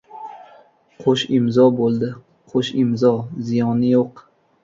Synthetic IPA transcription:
qʰoʃɪmzɒbolˠd̪ɪ | qʰoʃɪmzɒzɪjɒnɪjoq

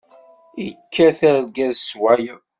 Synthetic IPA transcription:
ikʰːæθæɾɡæzswæj

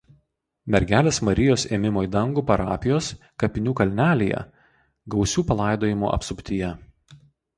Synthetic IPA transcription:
mʲɛɾʲɡʲæːlʲeːsmɐɾʲɪjoːsḛːmʲɪmoːid̪ɐŋɡuːpɐɾɑ̰ːpʲɪjoːs | kɐpʲɪnʲuːkɐlʲnʲæːlʲejɛ̰ | ɡɒʊsʲuːpɐlˠɑˑɪd̪oːjɪmo̰ːʔɐ̰psʊpʲt̪ʲɪjɛ

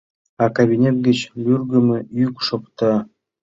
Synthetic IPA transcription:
ɑkaβʲinʲet̪̚ɡə̆t͡ɕlʲyrɡə̆mɘ̆jykʃopt̪ɑ

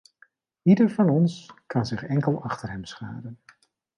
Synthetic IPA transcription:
idəɹvɑnɔnskɑnzɪχɛŋkəlˠɑχtəɹɦɛmsχa̰ːdən

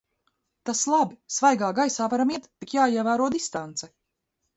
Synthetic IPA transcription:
t̪aslˠabisvajɡaːɡajsaːvaɾamiɛt̪ːikjaːiɛvæːɾuɔd̪ist̪ant̪sɛ

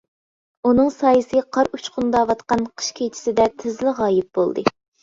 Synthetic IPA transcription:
unɨŋsɑːjɨsɨqʰɑɾut͡ʃqʊnd̪ɑwɑt̪qɑnqʰə̥ʃkʲʰejt͡ʃʰi̥sɪd̪ɛt̪ʰɪzlɪʁɑːjɪp̚b̥o̰lˠd̪ɨ̰

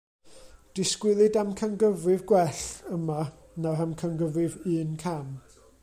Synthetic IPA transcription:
d̥ɪskwɪlˠɨdamkʰənɡəvrɪvɡwɛɬəma | naramkʰənɡəvɪvɨːnkʰam

